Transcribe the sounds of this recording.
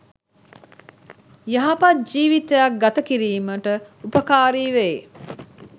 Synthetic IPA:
jɐɦapɐt̪̚d͡ʒiːʋit̪ejak̚ɡat̪əkiɾiːməʈəupəkaːɾiːʋe

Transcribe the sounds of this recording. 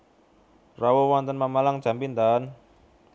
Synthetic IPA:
rawowɔnt̪ənmamalaŋ̥d͡ʒ̥a̤mpint̪an

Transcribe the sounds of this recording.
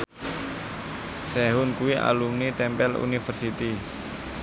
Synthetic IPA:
sɛɦʊnkuwiʔa̰lumnit̪ɛmpɛlṵnifərsit̪i

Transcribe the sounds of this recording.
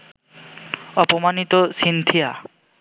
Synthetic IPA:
ɔpomanit̪osint̪ʰija

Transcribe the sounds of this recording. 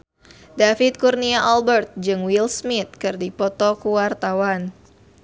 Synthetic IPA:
dafit̪̚kurniaʔalbərt̪̚d͡ʒɨŋwilsmit̪̚kɨrdipɔt̪ɔkuwart̪awan

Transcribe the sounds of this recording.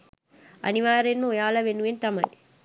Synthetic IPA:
ʔɐ̰nɪʋaːɾenːoːjaːlɐʋenːɯʋent̪ɐmɐ̰l

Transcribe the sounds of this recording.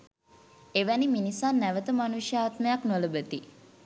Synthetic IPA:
eʋæniminisanːæʋət̪əmanuʃjaːt̪məjaknoləbət̪i

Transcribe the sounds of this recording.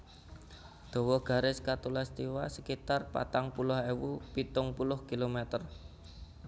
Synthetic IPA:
d̪̥ɔ̤wɔɡ̥a̤ɾɪskat̪ulast̪iwasəkit̪arpa̰t̪aŋpulʊhewupit̪ʊŋpulʊhkilomɛt̪ər

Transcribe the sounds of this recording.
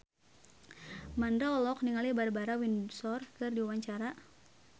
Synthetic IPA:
mandaɔlɔkniŋalibaɾbaɾawinsɔrkɨrdiuwaɲt͡ʃaɾa

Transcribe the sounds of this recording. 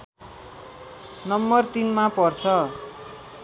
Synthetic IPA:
nʌmbʌrt̪inmapʌrt͡sʰʌ

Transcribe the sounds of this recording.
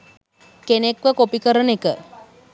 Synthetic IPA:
kenekʋəkopikəɾənekə

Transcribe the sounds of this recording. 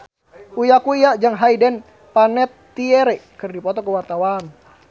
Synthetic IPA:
ujakuijaʔd͡ʒaŋɦaidɛn | panɛt̪ːiɛɾɛkɨrdipɔt̪ɔkuwart̪awan

